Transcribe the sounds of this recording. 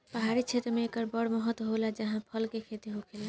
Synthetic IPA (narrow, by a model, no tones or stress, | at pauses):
pəɦaɾit͡ʃʰet̪ɾmẽekəɾbəɽməɦət̪ɦolad͡ʒəɦãpʰəlkekʰet̪iɦokʰela